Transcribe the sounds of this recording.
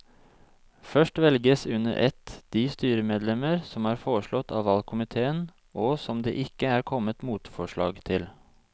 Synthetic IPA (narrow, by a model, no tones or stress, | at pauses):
fœʂʈʋɛlɡəsʉnə̰ɾʔɛ̰t̪d̪̥iːst̪yːɾəmeːd̪lɛməɾsɔmɑːɾfoːɾəʂɭɔt̪ʰːɑ̰ːʋɑlkʰʊmɪt̪ʰeːən | ʔɔsɔmd̪ḛːʔɪkːəæːɾkʰɔmət̪muːt̪fɔʂɭɑ̰ːɡt̪ʰɪl